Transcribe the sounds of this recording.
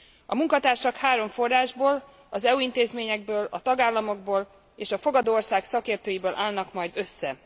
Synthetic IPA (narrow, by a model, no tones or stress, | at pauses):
ɒmuŋkɒt̪aːrʃɒkhaːɾo̞ɱfo̞rːaːʒboːl | ɒzɛuint̪eːzmeːɲɛɡ̚bøːlɒt̪ɒɡaːlːɒmo̞ɡ̚boːl | eːʃɒfo̞ɡɒd̪oːorsaːksɒkeːrt̪øːjibøːlʔaːlnɒkmɒjd̪ø̞sːɛ